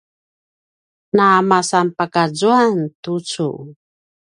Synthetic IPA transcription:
naːmasampakazuantut͡sṵ

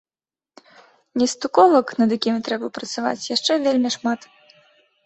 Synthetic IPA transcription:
nʲɛst̪ukɔvɐknɐd̪jakʲimʲt̪ɾɛbɐpɾɐt̪sava̰t͡sʲjaʂt͡ʂɛvʲelʲmʲiʂmat̪

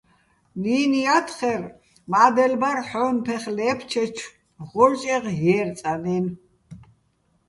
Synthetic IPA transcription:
niːnijat̪ʰχɛɾ | maːd̪ɛlbaɾħɔːnpʰɛχlɛːpʰt͡ʃʰɛt͡ʃʰ | ʁɔɾt͡ʃʼɛʁjɛːɾt͡sʼanɛn

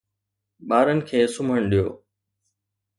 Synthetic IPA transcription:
ɓaːɾənɪ̆kʰeːsʊmʱəɽ̃ɗijo̰ː

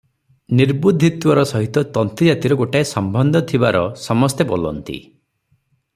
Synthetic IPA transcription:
niɾbud̪ʱːit̪wɔɾɔsɔɦit̪ɔt̪ɔnt̪ɾid͡ʒat̪iɾɔɡoʈaesɔmbɔnd̪ʱɔt̪ʰibaɾɔsɔmɔst̪ebolɔ̰nt̪ḭ

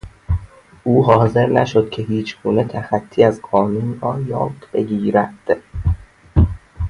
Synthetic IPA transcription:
ʔuːɦɒːze̞ɾnæ̰ʃo̞d̪̥̚cʰe̞hiːt͡ʃʰɡ̥uːne̞t̪ʰæxæt̪ʰːiːæzqɒːnunrɒːjɒ̰ːd̪b̥e̞ɟiːɾæd̪̥

